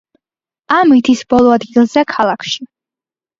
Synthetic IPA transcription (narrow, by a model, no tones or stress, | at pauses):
amit̪ʰisbɔlˠɔad̪ɡilˠzɛkʰalˠakʰʃi